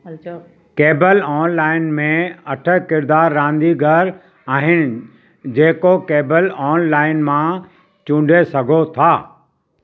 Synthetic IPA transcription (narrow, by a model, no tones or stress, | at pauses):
keːbəlɔːnlaːɪnmẽɐʈʰəkɪɾd̪aːɾːãːnd̪iɡʱɐɾ | aːɦɪnɪ̆ | d͡ʑeːkokeːbəlɔːnlaːɪnmã | t͡ɕũːɳɖʱesɐɡʱot̪ʰaː